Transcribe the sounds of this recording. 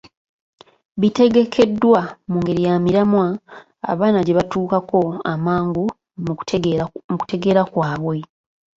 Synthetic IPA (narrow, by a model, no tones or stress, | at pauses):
βite̞ɡe̞kʰe̞dːwamuːŋɡe̞ɾijamiɾamwa̰ː | βaːnaɟe̞βatuːkako̞amaːŋɡu | m | muku̥te̞ɡe̞ːɾakwaːβwe̞